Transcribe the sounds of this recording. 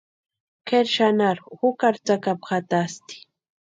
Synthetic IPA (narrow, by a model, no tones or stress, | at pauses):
keɾʃanaɾhʊkaɾt͡sakapxat̪ast̪ɪ̥